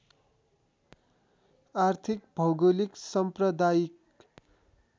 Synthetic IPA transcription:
art̪ʰikbʱʌwɡoliksʌmprʌd̪ajik

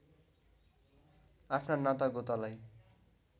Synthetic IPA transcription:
apʰnanat̪aɡot̪alaj

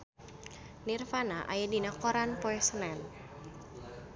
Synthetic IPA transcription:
nirfanaʔa̰jadinakɔɾanpɔɛsənɛn

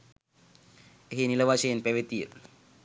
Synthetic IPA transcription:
eɦiniləʋaʃejenpæʋet̪ijə

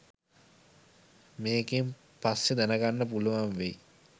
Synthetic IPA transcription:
meːɡem | pasjed̪ænəɡanːəp̬uluʋanʋe

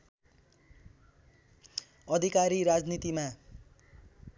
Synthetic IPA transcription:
ʌd̪ʱikaɾiɾad͡znit̪ima

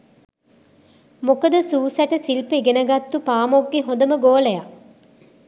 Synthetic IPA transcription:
mokəd̪əsuːsæʈəsilpeɡenəɡat̪ːupaːmoɡːeɦõnd̪əməɡoːləja

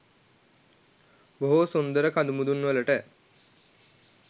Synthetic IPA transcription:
boɦosund̪əɾəkad̪umud̪unʋələʈə

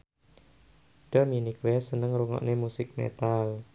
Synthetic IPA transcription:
ɖ̥aminikwɛsənəŋɾuŋɔ̰ʔnemusɪk̚mḛt̪al

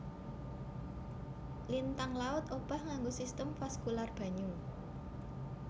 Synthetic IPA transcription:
lint̪aŋlaʊt̪ob̥ahŋaŋɡosist̪əmfaskularb̥a̤ɲu

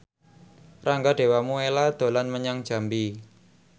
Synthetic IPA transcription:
raŋɡaɖ̥e̤wamuelad̪̥o̤lanməɲaŋd̥d͡ʒ̥a̤mbi

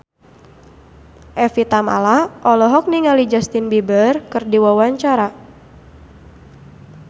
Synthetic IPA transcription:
ʔɛfit̪ama̰lahʔɔlɔɦɔk̚niŋalid͡ʒast̪inbibərkɨrdiwawaɲt͡ʃaɾa

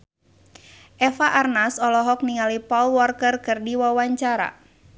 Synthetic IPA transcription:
ʔɛfaʔarnasɔlɔɦɔk̚niŋalipɔlwɔrkərkɨrdiwawaɲt͡ʃaɾa̰

